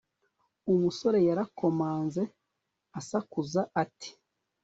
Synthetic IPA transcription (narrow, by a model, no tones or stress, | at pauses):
umuso̞ɾe̞jaɾako̞maːnze̞ | asakuzaati̥